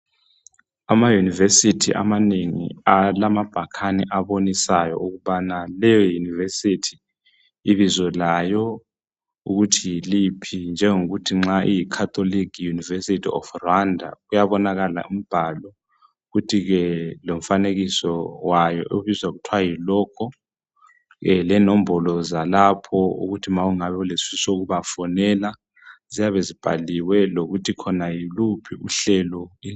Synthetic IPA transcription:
amajunivesitʰiʔa̰maneŋḭalamab̥ʱakʰanḭʔaβonisajɔ̰ʔuɣuβanalɛjɔjunivesitʰi̥ː | βizwɛlajɔ | uɣutʰijilipʰind͡ʒʱɛŋoɣutʰiŋ͡ǁaʔijikʰat̪ʰʼolikʰjunivesitʰiɔ̰frwandʱa̰ɣujaβɔnaɣala̰um̩b̥ʱalɔ | ɣutʰiɣɛloɱ̩faneɣisɔwajɔ̰ʔoβizwaɣutʰwajilɔːkʰɔ | ɛlɛnɔm̩bʱɔlɔzalapʰɔṵɣutʰimauŋaβɛulesisoɣuβafɔnɛla | z̥ijaβezib̥ʱa̰liwɛloɣutʰikʰɔnajilupʰiuɬɛlɔi

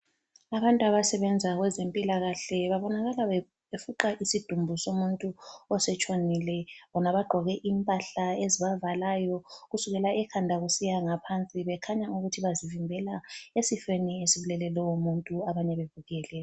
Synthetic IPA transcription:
aβantʼuaβasɛβɛnd͡zʱaɣwɛzempʼilaɣaɬɛβaβɔnaɣalae | efuǃaʔisid̥ʱumbʱusomuntʼuɔsɛt͡ʃʼonilɛβɔnaβaɡ͡ǃʱɔɣɛʔimpʼaɬaeziβavalaːjɔɣusuɣɛlaɛkʰandʱaɣusijaŋapʰant͡sʼiβɛkʰaɲauɣutʰiβazivimbʱɛlaesifeniesiβulɛlɛlɛwomuntʼuaβaɲɛβevuɣɛːlɛ

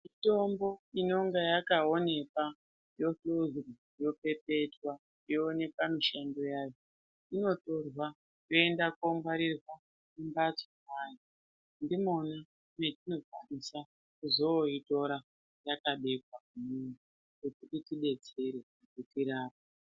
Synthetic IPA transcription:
mito̞mbo̞ino̞ŋɡejakaone̞ka | jo̞tuzru | jo̞pe̞pe̞twa | joːne̞kamiʃando̞jaːjo | ino̞to̞rwa | jo̞e̞ndakoŋɡaɾirwa | kumbat͡somajo | ndimona | metino̞kanisa | kuzooito̞ɾa | jakaɓe̞k̚wakumunu | kutiritiɓe̞t͡se̞ɾe | kutiɾaːp̚a

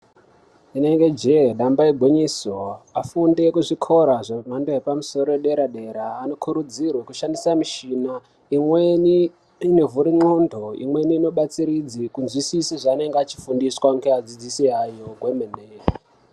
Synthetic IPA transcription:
ine̞ŋɡe̞d͡ʒeɗambaiɡʱwoɲisoafunde̞kuʐikʰo̞ɾaʐem̤andoepamuso̞ɾoeɗe̞ɾaɗe̞ɾaːno̞kʰuɾud͡zirwakuʃandisamiʃina | imweni | inevuɾiŋ͡ǀondʱo̞ḭmwe̞niːno̞ɓat͡siɾid͡zikunzwisisiʐaːne̞ŋɡeat͡ʃi̥fundiswaŋɡead͡zid͡zisiɦajo̞ɡʱwemeneː

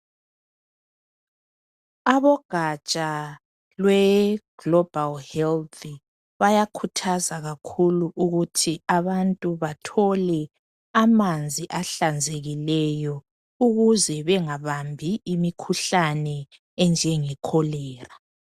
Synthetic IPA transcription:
aβɔɡ̥ʱat͡ʃʼa | lwɛɡ̥lɔb̥ʱalhɛlti | βajakʰutʰazaɣakʰuluʔuɣutʰiaβantʼuβatʰɔlɛ | amand͡zʱiʔaɬand͡zʱeɣilɛjɔ | uɣuzɛβɛŋaβambʱiimikʰuɬanɛ | ɛnd͡ʒʱɛŋɛkʰɔlɛːra

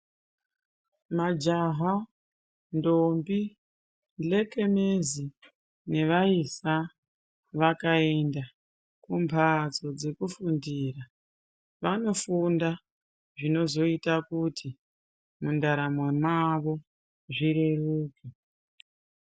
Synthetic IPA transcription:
mad͡ʒaɦa | ndombi | nd͡ɮe̞ke̞mezi | ne̞ʋaisa | ʋakae̞nda | kumbʱad͡zo̞d͡ze̞kufundiːra | ʋano̞funda | ʐino̞zo̞itakutʰi | mundaɾamwe̞maʋo̞ | ʐiɾeruːki

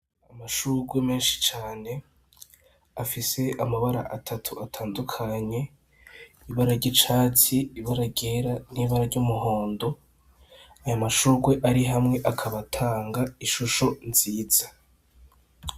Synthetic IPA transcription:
amaʃuɾɡwe̞meːnʃi̥t͡ʃaːne̞ | afise̞amaβaɾa̰ʔatʰatʰuatʰaːndukʰaɲe̞ | iβaɾaɾɟit͡ʃaːt͡siiβaɾaɾɟeɾan̥iːβaɾaɾɟumuɦo̞ːndo̞ | ajamaʃuːɡwe̞ʔaɾiɦamŋe̞ʔakʰaβatʰaːŋɡaiʃuʃo̞nziːz̥a

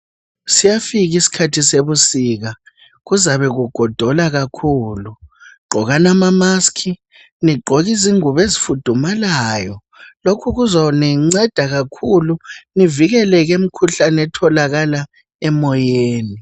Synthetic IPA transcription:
sijafiɣisi̥kʰatʰiseβusiɣa | ɣuzaβɛɣuɡ̥ʱɔd̥ʱɔlaɣakʰuːluɡ͡ǃʱɔɣanamamaskʰi | niɡ͡ǃʱɔɣiziŋuβezifud̥ʱumalajɔ | lokʰuɣuzɔnɛŋ͡ǀɛd̥ʱaɣakʰuluniviɣɛlɛɣem̩kʰuɬanɛtʰɔlaɣala | ɛmɔjeːni

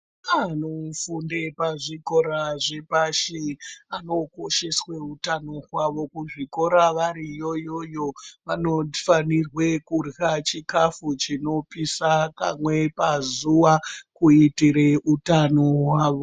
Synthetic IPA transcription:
anofundepaʐiko̞ɾaʐe̞paʃeano̞ko̞ʃe̞sweutano̞ɦwaʋo̞kuʐiko̞ɾaʋaɾijo̞jo̞jo̞ʋano̞fanirwe̞kurɣat͡ʃikafut͡ʃino̞pisaka̰mwe̞pazuakuitiɾeutanoɦwaːʋo̞

